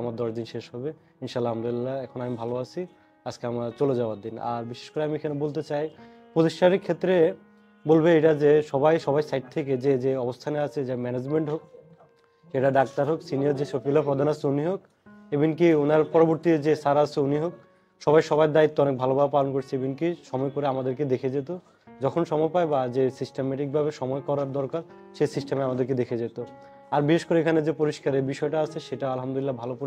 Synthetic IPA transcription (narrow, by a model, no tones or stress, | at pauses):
amaɾd̪ɔʃd̪inʃeʃɦɔbe | inʃalːaɦamd̪lːaɛkʰonamibʱaloat͡ɕʰi | ad͡ʑkeamat͡ɕoled͡ʑaoaɾd̪ina̰ɾbiʃe̥ʃkoɾeamiekʰanebolt̪̬et͡ɕaj | pɾot̪iʃʈaɾeɾkʰet̪ːɾe | bolbeeʈad͡ʑeʃɔbajʃɔβajsajʈ̚t̪ʰeked͡ʑed͡ʑeɔbost̪ʰaneat͡ɕʰed͡ʑamɛned͡ʑmeɳʈɦok̚ | ʃeʈaɖak̚ʈaɾɦoksinijoɾd͡ʑeʃofilapɾod̪ʱanat͡ɕʰeuniɦok | ebink̬ionaɾpɔɾoboɾt̪ied͡ʑesaɾat͡ɕʰeuniɦok̚ | ʃɔbajʃɔβajd̪ait̪ːoɔnek̚bʱalobapalonkoɾt͡ɕʰeebinkiʃɔmɔekoɾeamad̪eɾked̪ekʰed͡ʑet̪o | d͡ʑɔkʰonʃɔmɔepaebad͡ʑesisʈemɛʈik̚bʱabeʃɔmɔekɔɾaɾd̪ɔɾkaɾ | ʃesisʈemeamad̪eɾked̪ekʰed͡ʑet̪o | aɾbiʃeʃkoɾeekʰaned͡ʑepoɾiʃkaɾebiʃɔeʈaat͡ɕʰeʃeʈaalɦamd̪olilːabʱalopoɾ